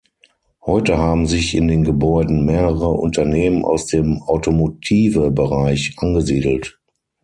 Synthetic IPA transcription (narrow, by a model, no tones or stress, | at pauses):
hɔʏtəhaːbm̩zɪçɪndeːnɡəbɔʏdn̩meːʁəʁəʔʊ̰ntɐneːmənʔa̰ʊsd̥eːmaʊtomotʰiːvəbəʁaɪçʔanɡəziːdl̩t